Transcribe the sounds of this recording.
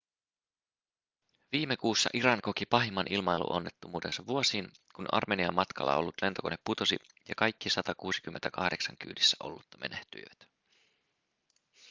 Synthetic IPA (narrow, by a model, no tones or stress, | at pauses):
ʋiːmːe̞kuːsːɑ̰ʔiɾɑŋko̞k̟ipɑɦimːɑnʔilmɑjlṵʔo̞nːe̞t̪ːumuːdensɑʋuo̞siːnkunɑ̰rmeniɑmːɑt̪kɑlːɑ̰o̞̰lːut̪le̞nt̪o̞ko̞nepːut̪o̞sḭ | jɑkɑjkːisɑt̪ɑkuːsikymːent̪ækɑhdeksɑŋk̟y̰ːdisːæʔo̞̰lːut̪ːɑme̞̰neht̪y̰jʋæt̪